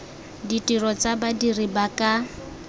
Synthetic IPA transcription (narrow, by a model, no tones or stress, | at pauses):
ditʼirɔt͡sabadiribakʼa